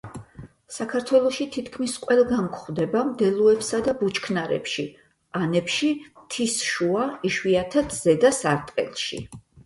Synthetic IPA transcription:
sakʰaɾt̪ʰwɛlˠɔʃit̪ʰit̪ʰkʰmisqʼwɛlˠɡamkʰχwd̪ɛbamd̪ɛlˠuɛpsad̪abut͡ʃkʰnaɾɛ̰pʃi | anɛpʃit̪ʰisʃuaiʃwiat̪ʰat̪ʰz̥ɛd̪asaɾt̪ʼqʼɛ̰lˠʃḭ

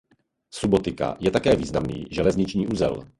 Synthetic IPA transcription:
subot̪ɪka̰jɛt̪akɛːviːznamnḭːʒɛlɛzɲɪt͡ʃɲiːʔuzɛ̰l

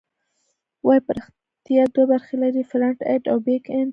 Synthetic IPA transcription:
wajpəɾɪx | t̪ijad̪webaɾxelaɾifɾaɳʈeʈawbekɪn

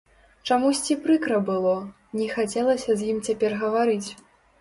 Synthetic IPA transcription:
t͡ʂamusʲt͡sʲipɾɨkɾɐbɨlˠɔ | nʲɛxat͡sʲɛlˠɐsʲɐzʲjimt͡sʲapʲɛrɣɐvaɾɨt͡sʲ

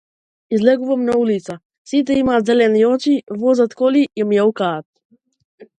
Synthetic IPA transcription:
izlɛɡuvamnaulit̪sa | sit̪̬ɛimaːt̪zɛlɛniɔt͡ʃivɔzat̪kɔliimjaukaːt̪̚

